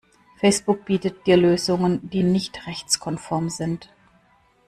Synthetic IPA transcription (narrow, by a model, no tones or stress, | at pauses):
fɛɪsb̥ʊk̚b̥iːtət̚d̥iːɐløːzʊŋəndiːnɪçtʁɛçt͡skʰɔnfɔɐmzɪnt